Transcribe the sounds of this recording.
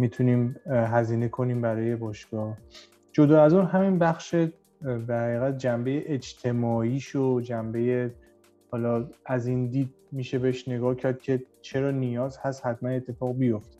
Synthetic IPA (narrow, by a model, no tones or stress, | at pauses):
mit̪ʰuniːmɦæziːne̞kʰo̞niːmbæɾɒːje̞bɒːʃɡ̥ɒːh | d͡ʒo̞d̪ɒːæzunɦæminbæxʃe | b̪æɾhæɣiːɣæt̪̚d͡ʒæmbe̞jeʔed͡ʒt̪ʰe̞mɒːiːʃod͡ʒæmbe̞je | hɒːlɒːæziːnd̪iːd̪̚miːʃe̞beeʃne̞ɡɒːhcʰæɾd̪̥̚cʰe̞ | t͡ʃʰe̞ɾɒːnijɒːzhæst̪hæt̪mæne̞t̪ʰːe̞fɒːɣbijo̞ft̪e